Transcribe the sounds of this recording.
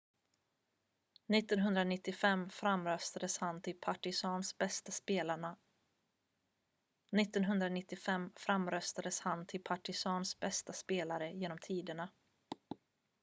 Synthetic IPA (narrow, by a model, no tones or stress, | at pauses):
nɪt̪ːɔnɦɵnd̪ɾanɪt̪ːɪfɛmːfɾamːɾœst̪ad̪əshant̪ʰɪlpʰaʈɪsɑːnsbɛst̪aspeːlaɳa | nɪt̪ːɔnɦɵnd̪ɾanɪt̪ːɪfɛmːfɾamɾœst̪ad̪əshant̪ʰɪpʰaʈɪsɑːnsbɛst̪aspeːlaɾəjeːnɔmt̪ʰiːd̪əɳa